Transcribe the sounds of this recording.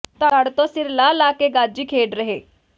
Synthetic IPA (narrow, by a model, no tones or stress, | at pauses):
t̪aɽt̪õːsɪɾlaːlaːkeːɡaːd͡ʒiːkʰeːɖɾəɦeː